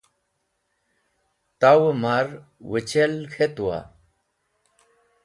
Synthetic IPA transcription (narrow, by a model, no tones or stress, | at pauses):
t̪awemaɾwət͡ɕelkʰet̪uwa̰